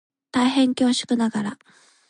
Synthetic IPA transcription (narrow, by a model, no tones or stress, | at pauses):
t̪aiɦẽ̞ŋkʲo̞ːɕɨ̥kɯ̟naɡaɾa